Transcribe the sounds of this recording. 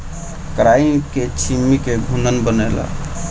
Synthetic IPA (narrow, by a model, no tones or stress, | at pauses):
kɾaiket͡ʃʰimːikeɡʱunənbənela̰